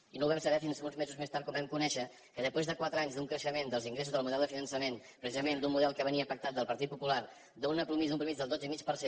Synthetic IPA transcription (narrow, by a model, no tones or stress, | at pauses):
inowβɛmsəβɛfinsunzmezuzmest̪aɾt̪kɔmbɛmkunɛʃə | kəðəspɾezðəkwat̪ɾəaɲzðuŋkɾəʃəmend̪əlˠziŋɡɾes̬uzðəlˠmuðɛlˠd̪əfinənsəmenpɾəsizəmend̪umuðɛlˠkəβəniəːfək̚t̪at̪̚d̪əlˠpəɾt̪it̪̚pupular | d̪unəpɾumizd̪umpɾumizðəlˠd̪od͡zəimit͡ʃpəɾse